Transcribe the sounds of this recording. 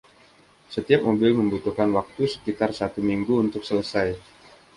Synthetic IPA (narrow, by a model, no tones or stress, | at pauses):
sət̪iap̚mobɪməmbut̪uhkanwak̚t̪usə̥kit̪arsat̪umiŋɡuːnt̪ʊk̚sələsaj